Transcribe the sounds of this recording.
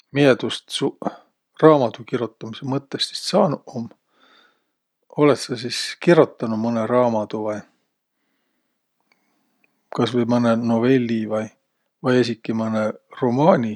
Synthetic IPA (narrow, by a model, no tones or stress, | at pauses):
mied̪̥ust̪u | rɑːmɑt̪ukiɾut̪ːˑɑmisemɤt̪ːest̪si̥ssɑːnuom | o̞let̪sɑsiskirut̪ːˑɑnumɤneɾɑːmɑd̪̥uvɑj | kɑsvɤjmɤneno̞ve̞lʲːivɑj | vɑjes̬ʲikːˑimɤneromɑːnʲi